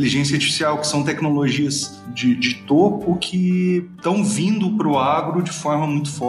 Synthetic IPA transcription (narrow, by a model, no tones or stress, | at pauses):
eliʒẽsjɐaɾt͡ʃifi̥siawkɪ̥sɐ̃w̃t̪ɛknoloʒiɐs | d͡ʒɪd͡ʒɪt̪opʊkʰɪt̪ɐ̃w̃vĩnd̪ʊpɾʊaɡɾʊd͡ʒɪfɔɾmɐmũj̃t̪ʊ̥fɔ